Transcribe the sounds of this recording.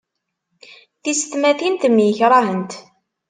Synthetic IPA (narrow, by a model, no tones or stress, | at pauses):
θist̪mæθint̪mːjəçɾˤɑhənt̪